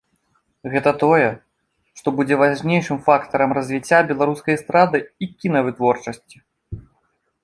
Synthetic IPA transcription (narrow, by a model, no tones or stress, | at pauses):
ɣɛt̪ɐt̪ɔjɛ | ʂt̪ɔbud͡zʲɛvaʐnʲejʂɨmfakt̪ɐɾɐmrɐzʲvʲit͡sʲːabʲɛlˠaɾuskɐjɐst̪ɾad̪ɨikʲinɐvɨt̪vɔrt͡ʂɐsʲt͡sʲi̥